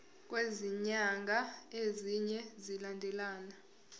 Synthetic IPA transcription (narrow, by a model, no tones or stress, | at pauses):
k̬ʼweziɲaŋɡʱaeziɲɛzilandʱɛlaːna